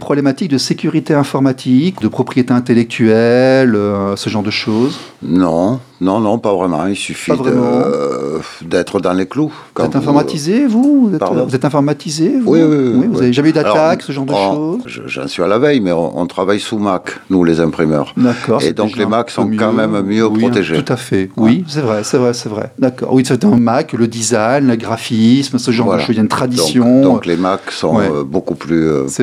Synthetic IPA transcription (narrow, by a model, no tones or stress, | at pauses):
pχɔblɛmat̪ik̚d̪əsekʲyʁit̪eɛ̃fɔʁmat̪ʰikd̪əpχɔpχijet̪eɛ̃t̪elɛk̚t̪ʰyɛløsəʒɑ̃ʁd̪əʃoz | nɔ̃ | nɔ̃nɔ̃pavʁɛmɑ̰̃ilsyfipavʁɛmɑ̃ | d̪ɛt̪χəd̪ɑ̃leklu | ukɑ̃ɛt̪ɛ̃fɔʁmat̪izevuvuzɛtpaʁvuzɛt̪ɛ̃fɔʁmat̪izevwiwiwivuzaveʒameyd̪altaksəʒɑ̃ʁd̪əʃozʒə̰ʒɑ̰̃sɥialavɛjmɛɔ̰̃ʔɔ̰̃t̪χavajsumaknulezɛ̃pχimœ̰ʁd̪akɔʁḛd̪ɔ̃klemaksɔ̃mjkɑ̃mɛmmjøpiɔt̪eʒeut̪afɛwisɛvʁɛsɛvʁɛsɛvʁɛ̰d̪akɔ̰ʁwisaɛt̪ɛ̃makləd̪izajnləɡʁafismsəʒɑ̃ʁvwad̪əʃozjant̪χad̪id̪sɔ̃jɔ̃d̪ɔ̃klemaksɔ̰̃ɛøbokuplysɛ